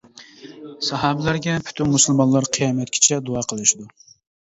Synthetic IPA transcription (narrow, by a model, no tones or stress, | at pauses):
sɑɦɑbɪlæɾɡʲɛpʰy̥t̪ʰynmusɨlˠmɑnlˠɑɾqʰɨjɑmɛt̪̚kʲʰi̥t͡ʃʰɛd̪uɑːqʰəlˠɨʃɪd̪u